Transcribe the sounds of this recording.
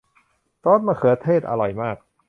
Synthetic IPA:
t̪ɔː˦˥nmaː˧kʰɯ˨˩˦t̪ʰeː˥˩t̪̚ʔa̰˧ɾɔ˨˩jmaː˥˩k̚

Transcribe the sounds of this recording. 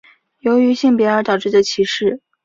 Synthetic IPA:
jo˧˥ʊy˧˥ɕi˥˩ŋp̬jɛ˧˥ə˞˧˥t̪ɑ˨˩ʊʈ͡ʂɻ̩˥˩ə˩t͡ɕʰi˧˥ʂɻ̩˥˩

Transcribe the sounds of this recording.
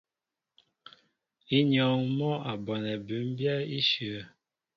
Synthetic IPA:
i˦ɲɔ˨ŋ˦mɔ˦a˨bɔ˨nɛ˨bʉ˨˦m˦bjɛ˦i˦ʃʉ˨˦

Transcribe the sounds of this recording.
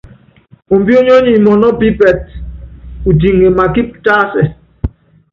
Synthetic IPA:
o˨m̩˨bi˦o˦ɲo˦ɲi˨mɔ˨nɔ˦bi˦bɛ˨t̚ | u˨di˨ŋe˨ma˨ki˦p̚ta˦sɛ˨

